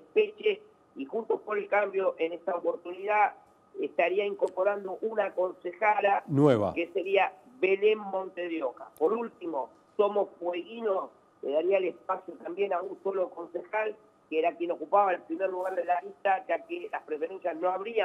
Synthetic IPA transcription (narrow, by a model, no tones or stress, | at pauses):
epet͡ʃes | ixunt̪opoɾelkambjo̞ʔe̞neht̪aopo̞ɾt̪uniða | eht̪aɾiaiŋko̞ɾpo̞ɾand̪oʔunako̞nsexalanweβa̰keseɾia | βe̞lemːõ̞nt̪eðjoka̰po̞ɾult̪imo̞ | so̞mo̞sfweɣinos | lḛðaɾiaelespasjot̪ambje̞naunso̞lo̞ko̞nsexal | keeɾakje̞no̞kupaβaelpɾimerluɣaɾðelaist̪ad͡ʒakelaspɾefe̞ɾe̞nsjasno̞aβɾia